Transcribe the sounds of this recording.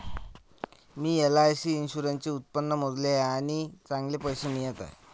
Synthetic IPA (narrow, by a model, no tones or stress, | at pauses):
miːelaːjsiːnɕuɾənt͡ɕeut̪̚pənːəmod̪leaɽ̃it͡sãŋɡlepəjsemijət̪a̰j